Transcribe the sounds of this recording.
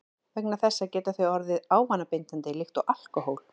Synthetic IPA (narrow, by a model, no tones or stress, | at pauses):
vɛk̚naθɛsːacɛːt̪aθœɥɔɾðɪðaːwvanːapejnt̪ant̪ɪlɪxt̪ɔʔal̥kɔɦowl